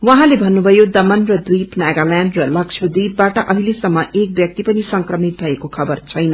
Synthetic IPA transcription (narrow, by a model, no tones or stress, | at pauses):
wʌɦãlebʱʌnːubʱʌjod̪ʌmʌnrʌd̪wijpnaɡalanɖrʌlʌksʰod̪ibbaʈʌʔʌɦilesʌmːʌʔek̚bjʌk̚t̪ipʌnisʌŋkrʌmit̪̚bʱʌekokʰʌbʌrt͡sʰʌjnʌ